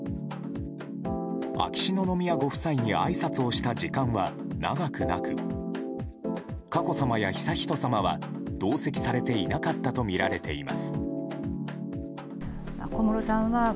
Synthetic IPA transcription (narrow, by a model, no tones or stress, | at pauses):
a̰kʲi̥ɕino̞no̞mʲiaɡo̞ɸɯ̟̥saiɲ̟ia̰isat͡sɨo̞ɕi̥t̪ad͡ʑikãɰ̃βa | na̰ɡakɯ̟nakɯ̟ | kako̞samajaçi̥saçi̥t̪o̞samaβ̞ad̪̥o̞ːse̞kʲi̥saɾe̞t̪e̞inakat̪ːat̪o̞mʲiɾaɾe̞t̪e̞̰ima̰sɨ̥ | a̰komoɾosãɰ̃βa